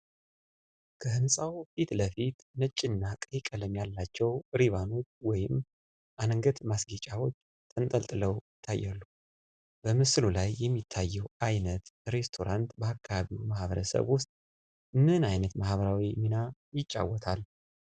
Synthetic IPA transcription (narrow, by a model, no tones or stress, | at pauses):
kʰəhɨnsʼawfit̪ləfit̪nət͡ʃʼːɪnːakʼjkʼələmjalːat͡ʃːɛwɾiβano̞t͡ʃːwɔjɪm | ʔanŋɡət̪masɡit͡ʃʼawo̞t͡ʃː | t̪ʼɨnt̪ʼəlt̪ʼɨləwjɪt̪ʰːajːalːu | b̥əmɨslulajːɛmːit̪ʰːajːɛwajnət̪ɾe̞st̪ʰo̞ɾant̪bəakʰːaβaβiwmahβəɾə̰sə̰βwʊst̪ʼ | ɨnːɨnajnət̪mahβəɾawiminajɪt͡ʃʼːa̰wːɔt̪ʰal